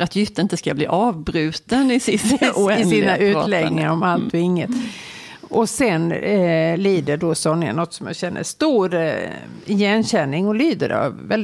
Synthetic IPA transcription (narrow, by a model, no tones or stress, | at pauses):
ɾat̪jʏt̪ːəɪnt̪əskablḭːʔɑːvbɾʉ̟ːt̪ənɪsɪɪsiːnaʔʉ̟ːlɛɡnɪŋaɾɔmalt̪ɔɪŋːət̪ | ʔɔsɛn | liːd̪əɖosɔnːa̰nɔt̪ːsɔmja̰ɕɛnːə̰ʂt̪uːɾ | ɪjɛnɕɛnːɪŋɔlyːd̪ə̰ɾɑ̰vːɛl